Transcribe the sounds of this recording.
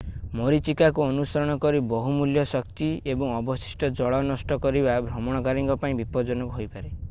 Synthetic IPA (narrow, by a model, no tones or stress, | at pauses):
moɾit͡ʃikakuɔnusɔɾɔɽ̃ɔkɔɾibɔɦumuljɔsɔk̚t̪iebɔŋɔbɔsi̥sʈɔd͡ʒɔɭɔnɔsʈɔkɔɾibabʱɾɔmɔɽ̃ɔkaɾiŋkɔpaĩbipɔd͡ʒɔnɔkuɦojpaɾe